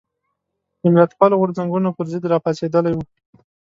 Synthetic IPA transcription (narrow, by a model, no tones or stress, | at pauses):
d̪əmɪlat̪pɑloɣʊɾzaŋɡunopəɾzɪd̪ɾɑpɑsed̪əlajwu